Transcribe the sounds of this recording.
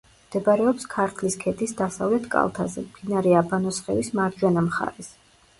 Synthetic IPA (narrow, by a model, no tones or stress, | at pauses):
md̪̥ɛbɾɛɔpskʰaɾt̪ʰliskʰɛt̪ʰʼisd̪asavlɛt̪ʰkʼa̰lˠt̪ʰa̰zɛ̰md̪inaɾɛabanɔsχɛ̰vismaɾd̪d͡ʒwɛnamχa̰ɾɛs